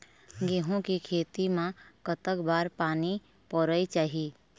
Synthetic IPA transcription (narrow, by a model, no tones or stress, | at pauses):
ɡeːɦõkikʰeːt̪imãkət̪əkbaːɾpaːni | pɔɾəit͡ʃaːɦiː